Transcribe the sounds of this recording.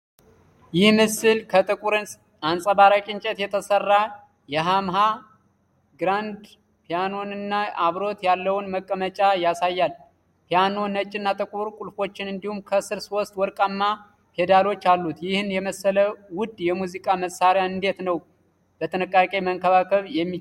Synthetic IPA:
jɪhmɨsːɨlkʰət̪ʼɨkʼuɾɨns | ansʼəbaɾakʼɪnt͡ʃʼɛt̪jɛt̪ʰəsərːa | jɛɦamɦa | ɡɾand̪ | pʰijano̞nɨnːaaβɾo̞t̪jalːəwʊnməkʼːəmət͡ʃʼajasajːal | pijano̞nət͡ʃʼːɪnːat̪ʼɨkʼuɾkʼulfo̞t͡ʃːɪnɨnd̪ihumkʰəsɨɾsost̪ʼwɔɾkʼamːa | pʰe̞d̪alo̞t͡ʃːalːut̪jɪhɨnjɛməsːələwʊd̪jɛmuzikʼaməsːaɾjaɨnd̪e̞t̪nəw | bət̪ʰɨnɨkʼːakʼe̞məŋkʰəβakʰəβjɛmːi

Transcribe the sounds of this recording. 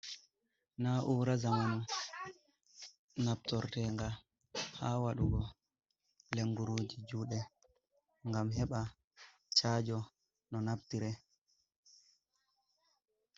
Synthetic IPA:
naʔuːɾazaman | nap̚tɔɾtɛŋɡa | haːwaɗuɡɔ | leŋɡuɾuːd͡ʒid͡ʒuːɗɛ | ŋɡamhɛɓa | t͡ʃaːd͡ʒɔ | nɔnaptiɾɛ

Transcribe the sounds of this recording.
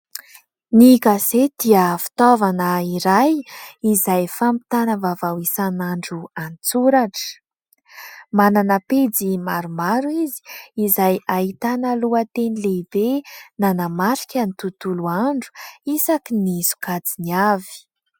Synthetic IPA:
nikazed̪̥iəfi̥t̪ovanəiɾajizajfampi̥t̪anəvavawisanaɳɖ͡ʐuant͡suɾaʈ͡ʂə̥ | mananəped͡zimaɾumaɾuizi̥ːzajaɦit̪anəluat̪enileibenanamaɾi̥kʲanit̪ut̪uluaɳɖ͡ʐu̥isakinizu̥kad͡ziniavi̥

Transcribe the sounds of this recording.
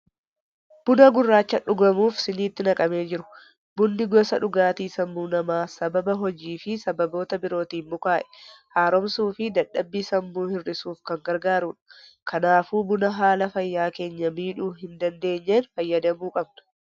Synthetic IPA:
b̥ʊnɐɡʊrːaːt͡ʃːɐᶑʊɡɐmuːfsɪniːt̪ːɪnɐkʼɐme̞ːd͡ʒɪɾʊ̥ | bʊnd̪ɪɡɔsɐᶑʊɡaːt̪iːsɐmbuːnɐmaːsɐbɐbɐɦɔd͡ʒiːfɪsɐbɐbo̞ːt̪ɐbɪɾo̞ːt̪iːmʊkaːʔɛ̥haːɾɔmsuːfɪd̪ɐᶑɐbːiːsɐmbuːhɪrːɪsuːfkɐŋɡɐɾɡaːɾuːᶑɐ̥ | kʰɐnaːfuːbʊnɐɦaːlɐfɐjːaːke̞ːɲːɐmiːᶑuːhɪnd̪ɐnd̪e̞ːɲːeːnfɐjːɐd̪ɐmuːkʼɐbnɐ̥

